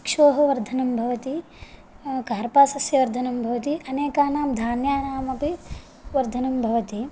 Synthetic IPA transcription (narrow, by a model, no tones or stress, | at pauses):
kʂoːɦɐʋɐɾd̪ʱɐnɐmbʱɐʋɐt̪i | kaːɾpaːsɐsjɐʋɐɾd̪ʱɐnɐmbʱɐʋɐt̪iʔɐneːkaːnaːmd̪ʱaːnjaːnaːmɐpi | ʋɐɾd̪ʱɐnɐmbʱɐʋɐt̪i